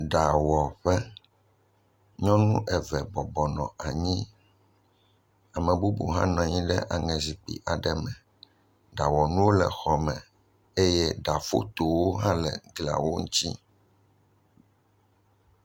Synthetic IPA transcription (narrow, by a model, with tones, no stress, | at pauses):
ɖa˨wɔ˨ɸɛ˦ | ɲɔ̃˦nũ˦ʔɛ˨vɛ˨bɔ˨bɔ˨nɔ̰̃˨a˨ɲĩ˦ | a˨mɛ̃˨bu˦bṵ˨ɦã̰˦nɔ̃˨ɲĩ˦ɖɛ̰˦ʔa˨ŋɛ̃˨zi˨k͡pḭ˨ʔa˨ɖɛ˨mɛ̃˨ | ɖa˨wɔ˨nũ˦wo˦lɛ̰˨xɔ˨mɛ̃˨ | e˦jɛ˦ɖa˨fo̰˦t̪o˨wo˦ɦã˦lɛ̰˨ɡla̰˨wo˦ŋũ˦t̪i˦